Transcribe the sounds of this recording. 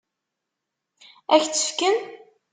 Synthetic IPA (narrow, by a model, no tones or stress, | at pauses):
æçt͡sːə̥fkən